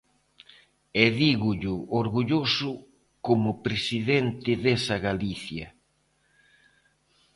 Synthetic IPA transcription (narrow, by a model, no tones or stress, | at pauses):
eðiɣʊʎʊoɾɣuʎosʊ | komʊpɾesiðent̪ɪðesɐɣaliθjɐ